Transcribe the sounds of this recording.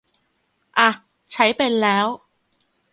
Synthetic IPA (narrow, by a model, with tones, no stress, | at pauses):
ʔa˧˩ | t͡ɕʰa˦˥jpe˧nlɛː˦˥w